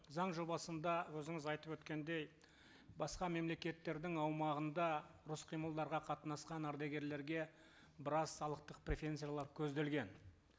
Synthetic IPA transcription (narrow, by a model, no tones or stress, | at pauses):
zɑɴʒo̞bɑsənd̪ɑwɵzɪŋɪzɑjt̪əpwɵt̪kʲe̞nd̪e̞j | bɑsqɑme̞mle̞kʲe̞t̪ːe̞ɾd̪ɪŋɑwmɑʁənd̪ɑɾʊsqʰijməlˠd̪ɑɾʁɑqʰɑt̪nɑsqɑnæɾd̪aɡʲe̞ɾle̞ɾɡʲe̞ | bəɾɑssɑlˠəq̚t̪əq̚prʲe̞feent̪sijalˠɑɾkʲʰɵzd̪e̞lɡʲe̞n